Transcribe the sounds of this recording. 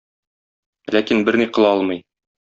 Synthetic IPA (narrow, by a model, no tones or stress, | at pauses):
lækinbɘɾniqɤ̆lˠɒlˠmɤ̆j